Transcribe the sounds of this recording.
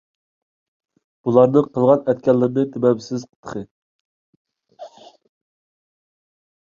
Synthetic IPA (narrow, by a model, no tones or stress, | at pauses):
b̥ulˠɑɾnɨqʰəlˠʁɑnɛt̪̚kʲɛlːɪɾnɨt̪ʰebɛbɪsɪzqʰə̥t̪ʰːə̥χə